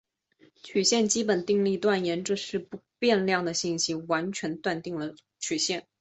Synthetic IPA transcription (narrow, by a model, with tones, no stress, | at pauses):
t͡ɕʰy˨˩ɕjɛ˥˩nt͡ɕi˥pə˨˩nt̪i˥˧ŋli˥˧t̪wa˥˩njɛ˧˥nʈ͡ʂɤ˥˧ʂɻ̩˥˧pu˧˥pjɛ˥˧nljɑ˥˩ŋd̪ə˩ɕi˥˩nɕi˥wa˧˥nt͡ɕʰɥɛ˧˥nt̪wa˥˧nt̪i˥˩ŋlə˩ | t͡ɕʰy˨˩ɕjɛ˥˩n